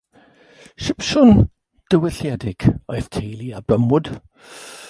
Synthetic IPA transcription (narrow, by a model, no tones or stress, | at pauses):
ʃɪpʃʊn | d̥əwɪɬjɛdɪɡ̥ɔɨθtʰejlˠiabrəmʊd̥